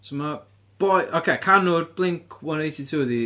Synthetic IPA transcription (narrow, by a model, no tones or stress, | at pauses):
soma | b̥ɔjʔokʰekʰanʊrblˠɪŋkʰwanejtʰitʰuːði